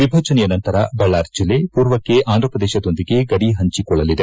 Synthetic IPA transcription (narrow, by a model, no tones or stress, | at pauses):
ʋibʱɐːt͡ʃɐnɛjɐnɐnt̪ɐɾɐbɐɭːaːɾd͡ʒilːepuːɾʋɐkːe̞ʔaːnd̪ɾɐpɐd̪eːʃɐd̪o̞nd̪iɡe̞ɡɐɽiɦɐɲt͡ʃikɔɭːɐlid̪e